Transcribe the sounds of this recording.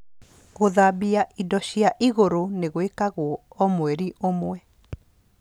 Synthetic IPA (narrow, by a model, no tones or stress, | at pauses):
ɣoðaːbiaʔidɔɕiaʔiɣoɾoneɣoekaɣwɔɔmwɛɾiʔomwɛ